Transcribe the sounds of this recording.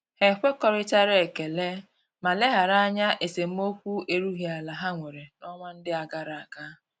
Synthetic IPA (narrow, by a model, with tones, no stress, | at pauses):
he˨kʷe˦kɔ˦ɾɪ˦t͡ʃa˦ɾe˦˨ke˨le˦ | ma˨le˦ɦa˨ɾa˦ɲa˦ʔe˨se˨m̩˦o˦kʷu˦e˨ɾu˦ɦi˨a˨la˨ɦa˦ŋʷe˨ɾe˨nɔ˦ŋʷa˦n̩˦dɪ˦a˨ɡa˦ɾa˨a˨ka˦